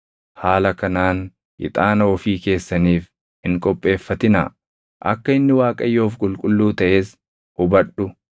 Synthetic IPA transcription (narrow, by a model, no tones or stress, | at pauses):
haːlɐkɐnaːn | ʔɪ̰t̪ʼaːnɐɔfiːke̞ːsːɐniːf | ɪŋkʼɔpʼːe̞ːfːɐt̪ɪna̰ | ʔɐkːɐɪnːɪwaːkʼɐjːo̞ːfkʼʊlkʼʊlːuːt̪ɐʔeːs | hʊbɐᶑʊ